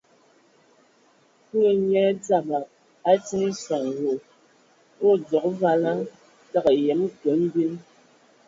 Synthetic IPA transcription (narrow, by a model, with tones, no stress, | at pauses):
ku˦˨ɲɛ˦d͡za˦˨ba˨ | a˦t͡si˦ŋi˦sa˨ŋ˨wo˨ | o˦d͡zɔ˨kva˦la˦ | ta˦kjɛ˨˦m˦kə˨˦m̩˦bi˦n